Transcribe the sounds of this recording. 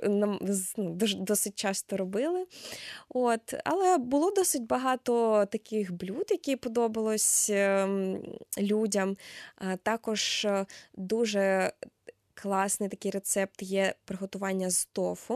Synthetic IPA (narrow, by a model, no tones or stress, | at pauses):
nɐnud̪ɔd̪ɔsɪt̚ʲt͡ʃɑst̪ɔɾɔbɪlˠɪ | ot̪ɐ̰lˠɛbʊlˠɔd̪ɔsɪtʲbɐɦɑt̪ɔt̪ɐkɪxblʲud̪jɐkʲipɔd̪ɔbɐlˠɔsʲ | lʲudʲɐmt̪ɑkɔʒ | d̪uʒɛ | klˠɑsnɪjt̪ɐkɪjɾet̪sɛp̚t̪jɛpɾeɦɔt̪ʊʋɑnʲːɐzt̪ɔfʊ